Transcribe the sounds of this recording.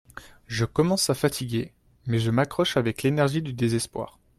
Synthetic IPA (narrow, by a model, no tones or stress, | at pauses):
ʒəkɔmɑ̃safat̪ʰiɡʲe | mɛʒəmakχɔʃavɛklenɛʁʒid̪yd̪ezɛspwa̰ːʁ